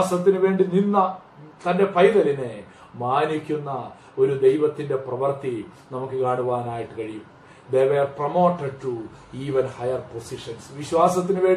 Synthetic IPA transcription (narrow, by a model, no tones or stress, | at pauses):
sɐt̪ːinuʋe̞ːɳɖininːɐ | t̪ɐnde̞pɐjðɐline̞ | maːnikʲːunːɐ | o̞ɾud̪e̞jʋɐt̪ːinde̞prɐʋɐrt̪i | nɐmukːɨkaːɳuʋaːnaːjiʈːɨkɐɻijum | d̪e̞ːʋeːrprɐmo̞ːʈːɐɖ̚ʈu | iːʋɐnhɐjɐrpo̞siʂɐnsʋiɕʋaːsɐt̪̬ːinuʋe̞ːɳɖi